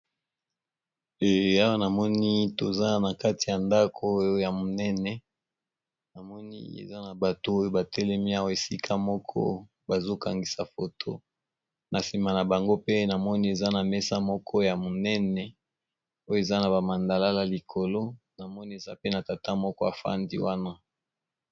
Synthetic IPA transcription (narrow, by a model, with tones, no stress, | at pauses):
e˨a˦wa˦na˨mɔ˦ni˦to˨za˦na˨ka˦ti˨ja˨nda˦kʰo˦ja˨mo˨nɛ˦nɛ˨ | na˨mɔ˦nḭ˦ḛ˨za˦na˨ba˨to˦o˦jo˦ba˨tɛ˦lɛ˦mi˦a˦wa˨e˨si˦kʰa˦mɔ˦kʰɔ̰˦ | ba˨zo˦ka˨ŋɡi˨sa˨fo˨tʰo̰˦ | na˨si˨ma˨na˨ba˨ŋɡo˦pe˦na˨mɔ˦ni˦e˨za˦na˨mɛ˦sa˦mɔ˦kʰɔ˦ja˨mo˨nɛ˦nɛ˨ | o˦jo˦e˨za˦na˨ba˨ma˨nda˨la˦la˨li˨kʰo˨lo˦ | na˨mɔ˦ni˦e˨za˦pe˦na˨ta˨ta˦mɔ˦kɔ˦a˨fa̰˦ndḭ˦wa˦na˦